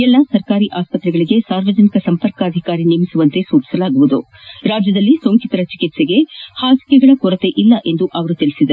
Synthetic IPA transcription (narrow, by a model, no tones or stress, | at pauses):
ɛlːɐsɐɾkaːɾiʔaːspɐt̪ɾɛɡɐɭiɡe̞saːɾʋɐd͡ʒɐnikɐsɐmpɐɾkɐɐd̪ʱikaːɾinimisuʋɐnt̪e̞suːt͡ʃi̥sɐlaːɡuʋud̪u | ɾaːd͡ʒjɐd̪ɐlːisoːŋkit̪ɐɾɐt͡ʃikit̪seɡe̞haːsi̥kɛɡɐɭɐkɔɾɐt̪e̞ʔilːɐʔe̞nd̪uʔɐʋɐɾut̪iɭisid̪ɐɾu